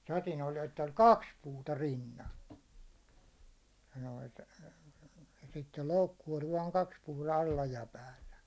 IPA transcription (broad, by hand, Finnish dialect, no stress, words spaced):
sɑtin olʲ etː olʲ kɑks puːtɑ rinːɑn̞ jɑ noit jɑ sitːel loukːu olʲ ʋɑːŋ kɑks puːtɑ ɑlːɑ jɑ pæːlːæ